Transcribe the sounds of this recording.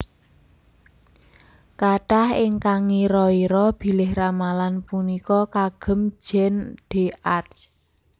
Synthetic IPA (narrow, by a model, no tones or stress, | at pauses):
kaʈahɪŋkaŋiɾɔiɾɔb̥i̤lɪhramalanpunikɔkaɡ̥ə̤m̥d͡ʒʒ̥ɛ̤nd̥e̤ʔar